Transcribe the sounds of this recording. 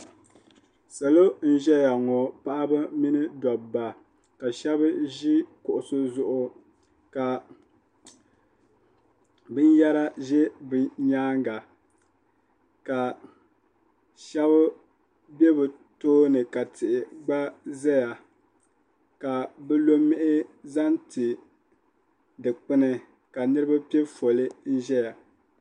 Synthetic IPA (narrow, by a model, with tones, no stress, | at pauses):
sa˨lo˦n̩˦ʒɛ˦ja˨ŋɔ˨pa˦ʔa˦ba˦mi˦nɨ˦dɔ˨bba˨ | ka˨ʃɛ˦bɨ˦ʒi˦kʊ˨ʔʊ˨sʊ˦zʊ˦ʔʊ˦ | ka˨ | bɨ˦n˦ja˦ɾa˦ʒɛ˦bɨ˨ɲaː˦ŋɡa˨ | ka˨ | ʃɛ˦βʊ˦ | bɛ˦bɨ˨ | toː˦nɨ˨ka˨tɪ˨ʔɪ˨ɡ͡ba˦zɛ˦ja˨ | ka˨bɛ˦lo˦mːɪ˦ʔɪ˦za˦ntɪ˨ | dɨ˨k͡pɨ˦nɨ˦ | ka˨nɨ˦ɾɨ˦ba˦pɛ˦fo˨lɨ˦n̩˦ʒɛ˦ja˨